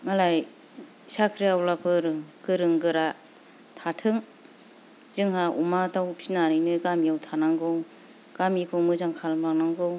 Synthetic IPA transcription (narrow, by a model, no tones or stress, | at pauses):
ŋalaj | sakʰɾijawlapʰɯɾɯɡ̥ɯɾɯŋɡɯɾa | tʰatʰɯŋ | z̥ɯŋɦaʔumatʰawpʰinanɯjnɯjɡamijawtʰanaŋɡɯw | ɡ̥amikʰɯwmɯzaŋkʰalmaknaŋɡɯw